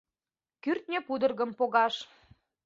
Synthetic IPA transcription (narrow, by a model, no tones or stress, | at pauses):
kyrt̪̚nʲepud̪ərɣəmpoɣɑʃ